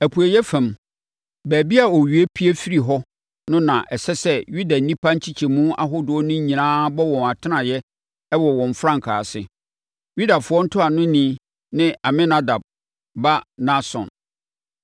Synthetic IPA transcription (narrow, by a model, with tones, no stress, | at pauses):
æ˨pʰu˨æ˨jɛ˦fɛ̃˨m | bæː˨bi˦a˨ɔ˨ɥi˨e˦pʰi˦e˦fi˦ɾi˨ɦɔ˦ | nʊ̃˦nã˨ʔɛ˨sɛ˦sɛ˦ɥu˦da˨˦nĩ˦pʰa˦ɲ̩˦t͡ɕʰi˦t͡ɕʰɛ˨mũ˦a̰˦ɦʊ˦dʊ˨ɔ˦nʊ̃˦ɲɲĩ˨nãː˦bɔ˦wɔ̃˨na˨tʰɪ˦nã˨jɛ˦ | wɔ˨wɔ̃˨ɱ˨fɾã˦ŋ˨kʰa̰ː˨sɪ˦ | ju˦da˨fʊ˨˦ɔ˦n̩˦tʰʊ˦a˨nʊ̃˦nĩ˦ | nɪ̃˦ʔa˨mɪ̃˦na˦da˨b̚ | ba˦nã˦sɔ̰̃˨n